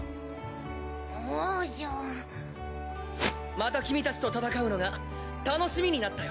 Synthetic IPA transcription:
oʑo | mat̪akʲimʲit̪at͡ɕi̥t̪o̞t̪at̪akaɯ̟no̞ɡa | t̪ano̞ɕimʲiɲ̟inat̪ːajo

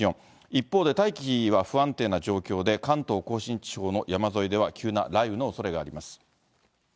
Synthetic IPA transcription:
õ | ipːo̞ːd̪e̞t̪aikʲiçiβaɸɯ̟ãnt̪e̞ːnaʑo̞ːkʲo̞ːd̪e̞kãnt̪o̞ːko̞ːɕĩɲ̟t͡ɕi̥ɕo̞ːno̞jamazo̞id̪e̞βakʲʰɨːna̰ɾaibɯ̟no̞ːso̞ɾe̞ɡaːɾʲimasɨ̥

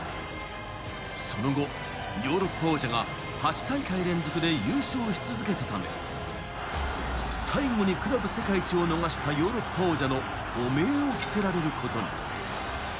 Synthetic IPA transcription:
so̞no̞ɡo̞ | jo̞ːɾo̞pːaoːʑaɡa | hat͡ɕi̥t̪aikaiɾẽ̞nd͡zo̞kɯ̟d̪e̞jɯːɕo̞ːçi̥t͡sɨzɨke̞t̪e̞t̪amḛ | saiɡo̞ɲ̟ikɯ̟ɾabɯ̟se̞kait͡ɕio̞no̞ɡaɕi̥t̪ajo̞ːɾo̞pːaoʑano̞ː | me̞ːo̞kʲi̥se̞ɾaɾe̞ɾɯ̟ko̞t̪o̞ɲḭ

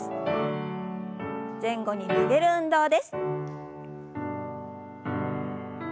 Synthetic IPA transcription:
zẽ̞ŋɡo̞ɲ̟iniɡe̞ɾɯ̟ɯ̟̃nd̪o̞ːd̪e̞sɨ̥

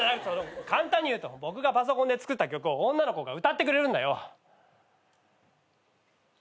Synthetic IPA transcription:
anakɯ̟̥sonokãnt̪ãɲ̟ːijɯːt̪o̞bo̞k̬ɯ̟ɡapas̬o̞kõnd̪e̞t͡sɨ̥kɯ̟t̪ːakʲo̞kɯ̟o̞õnːano̞ko̞ɡaɯ̟t̪at̪ːe̞k̬ɯ̟ɾe̞ɾɯ̟nd̪a̰jo̞

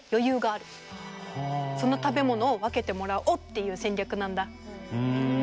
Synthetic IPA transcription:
jo̞jɯ̟ːɡaːɾɯ̟ | so̞no̞t̪abe̞mo̞no̞ːβake̞t̪e̞mo̞ɾaɯ̟ʔot̪ːe̞jɯ̟ːsẽ̞ɲʲakɯ̟nãnd̪a

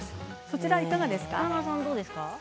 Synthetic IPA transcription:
so̞t͡ɕiɾaikaɡad̪e̞sɨ̥kanas̬ãnd̪o̞ːd̪e̞sɨ̥ka

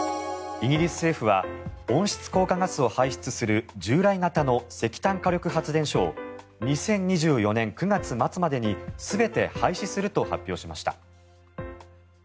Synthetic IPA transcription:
iɡʲiɾʲisɨ̥se̞ːɸɯ̟βa̰õ̞ɰ̃ɕi̥t͡sɨ̥ko̞ːkaŋasɨo̞haiɕi̥t͡sɨsɨɾɯ̟d͡ʑɨːɾainat̪ano̞se̞kʲi̥t̪ãŋkaɾʲo̞kɯ̟ɦat͡sɨd̪ẽ̞ɕo̞̰ː | ɲ̟isẽ̞ɲ̟ɲiʑɨːjo̞nẽ̞ŋkɯ̟ɡat͡sɨmat͡sɨmad̪e̞ɲ̟isɨbe̞t̪e̞haiɕisɨɾɯ̟t̪o̞ha̰pʲjo̞ːɕimaɕi̥t̪a̰

